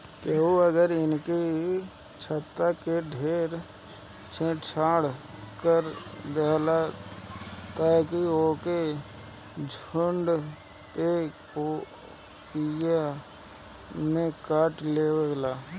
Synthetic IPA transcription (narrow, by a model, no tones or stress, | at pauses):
keuəɡəɾɪnki | t͡ʃʰət̪ːakeɖʱeːɾ | t͡ʃʰẽːʈt͡ʃʰaːɽkəɾd̪eɦla | t̪aːkioːke | d͡ʒʱʊɳɖ | peːk | o | kija | mẽkaːʈleːweɡlaː